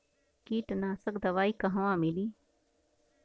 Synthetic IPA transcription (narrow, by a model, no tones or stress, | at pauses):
kiːʈnãːsɐkd̪ɐʋaːikɐɦɐʋãːmiliː